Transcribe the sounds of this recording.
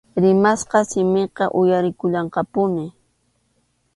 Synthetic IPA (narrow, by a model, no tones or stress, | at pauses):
ɾɪmasqɑsɪmɪqɑʔʊjaɾɪkʊʎɑɴqɑpʊnɪ